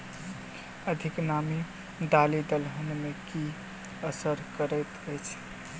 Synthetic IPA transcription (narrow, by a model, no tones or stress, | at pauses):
əd̪ʱiknami | d̪alid̪əlɦənmeki | əsəɾkəɾət̪əjt͡ʃʰ